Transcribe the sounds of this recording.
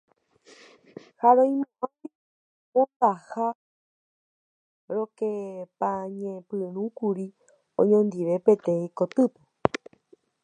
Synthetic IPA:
haɾõj̃mããi | õt̪aha | ɾokepãɲẽpɨɾ̃ũkuɾi | õ̰ɲõnd̪iʋe̞pet̪ẽĩkot̪ɨpo

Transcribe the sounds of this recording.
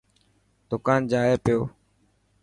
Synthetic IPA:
d̪̥ʊkaːnd͡ʒaːeːpɪjoː

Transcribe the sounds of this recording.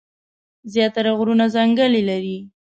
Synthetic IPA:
zjɑt̪aɾaɣɾunazaŋɡəlilaɾi

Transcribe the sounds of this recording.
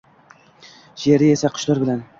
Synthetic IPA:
ʃeɾɪe̞saqʰʊ̥ʃlaɾbɪlan

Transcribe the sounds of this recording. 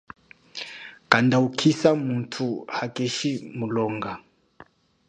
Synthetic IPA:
kandaukʰisamuntʰuhakʼeʃimulɔːŋɡa

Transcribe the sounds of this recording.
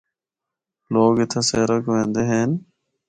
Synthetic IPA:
loːɡet̪ʰɐseːɾəkʋẽːnd̪eɦeːn

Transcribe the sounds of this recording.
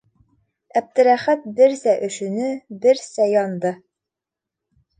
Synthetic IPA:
æb̚t̪ɘ̆ɾæχæt̪̚bɘɾsæʔɵ̆ʃʉ̆nɘbɘɾsæjɒnd̪ɤ

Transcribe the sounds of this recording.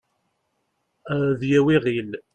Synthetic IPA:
ðjæwiʁil

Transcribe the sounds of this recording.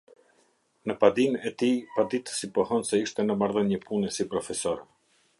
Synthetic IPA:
nəpad̪inɛt̪ipad̪it̪ə̥sipɔhɔnsɛiʃt̪ɛnəmaɾðənəpunɛsipɾɔfɛsɔɾɛ

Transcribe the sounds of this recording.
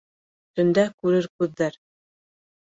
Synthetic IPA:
t̪ɵ̆nd̪ækʉɾɘɾkʉðːæɾ

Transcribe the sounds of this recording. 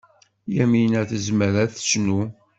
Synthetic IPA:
jæminæθəzməɾæθə̥snu

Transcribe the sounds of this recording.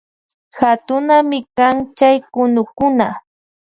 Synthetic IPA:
xat̪ʊnamɪkaŋt͡ʃajkʊnʊkʊna

